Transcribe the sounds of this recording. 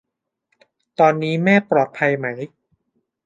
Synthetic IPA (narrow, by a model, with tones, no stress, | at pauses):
t̪ɔː˧nːiː˦˥mɛː˥˩pɾɔː˨˩t̪̚pʰa˧jma˦˥j